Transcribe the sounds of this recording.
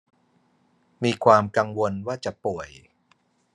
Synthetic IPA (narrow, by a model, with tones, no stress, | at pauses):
miː˧kʰwaː˧mka˧ŋwo˧nwaː˥˩t͡ɕa˨˩pu˨˩əj